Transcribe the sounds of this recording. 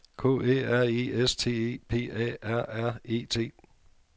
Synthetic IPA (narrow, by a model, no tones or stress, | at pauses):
kʰo̰ḛːæɐ̰iːest͡sʰe̝̰ːḛːpʰe̝̰ːɛ̰ːæɐ̰æɐ̰e̝̰ːt͡sʰe̝̰ː